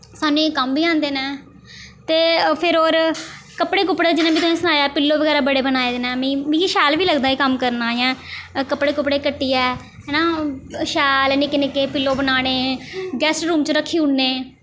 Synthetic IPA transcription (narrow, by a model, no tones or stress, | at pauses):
saːnũekəmbiːãːnd̪eːnɛː | t̪eːpʰɪɾoːɾkəpɽeːkʊpːɽed͡ʒɪnãːbiːt̪ʊnẽːsənaːjaːpɪlːoːʋəɡɛːɾaːbəɽeːbənaːeːd̪eːnɛːmĩːʋiːʃɛːlʋiːləɡd̪aːiːkəmkəɾnaːjãːkəpɽeːkʊpɽeːkəʈːiːɛː | ɦɛːnaːʃɛːlnɪkɪnɪkeːpɪlːoːbənaːɽ̃eːɡɛːsʈɾuːmt͡ʃɾəkʰːiːʊɳːeː